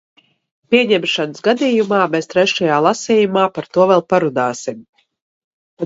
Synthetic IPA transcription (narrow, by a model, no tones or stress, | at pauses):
pʲiɛɲɛmʃanəsɡad̪iːjumaːmest̪ɾɛʃajaːlˠasiːjumaːpaɾt̪uɔvɛlˠpaɾud̪aːsim